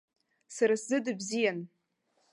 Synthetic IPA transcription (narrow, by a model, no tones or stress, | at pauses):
saɾaszɨdɨbzijan